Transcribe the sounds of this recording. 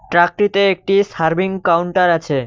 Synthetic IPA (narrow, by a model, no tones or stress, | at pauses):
ʈɾak̚ɾit̪eek̚ʈisaɾbʱiŋkawɳʈaɾat͡ɕʰe